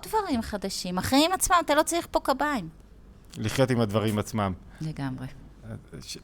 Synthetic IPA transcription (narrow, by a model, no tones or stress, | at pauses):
dvaʁimχad̪aʃimaχeimat͡smamatalo̞t͡saʁiχpo̞kabaim | liχjo̞timad̪vaʁimat͡smam | le̞ɡamʁe | aʃ